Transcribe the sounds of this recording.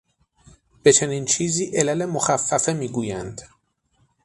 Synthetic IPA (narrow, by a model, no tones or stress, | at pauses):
b̥e̞t͡ʃʰe̞niːnt͡ʃʰiːziːʔe̞læle̞moxæfːæfemiːɡuːjænd̪̥